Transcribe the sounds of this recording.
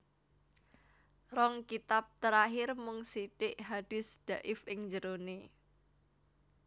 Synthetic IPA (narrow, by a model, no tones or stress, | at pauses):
rɔŋkit̪ap̚t̪əɾaɦɪrmʊŋsiʈɪʔɦad̥ɪ̤sd̪̥a̤ʔɪfʔɪŋɲd͡ʒəɾone